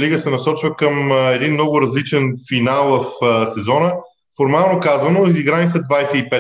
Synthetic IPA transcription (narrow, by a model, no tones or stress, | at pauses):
liɡəsɛnɐsɔt͡ʃvəkəmɛd̪inmnɔɡʊɾɐzlit͡ʃɛnfinalˠvɐfsɛzɔnə | foɾmalˠnokazvənoiziɡɾanit̪səd̪vajsɛipɛ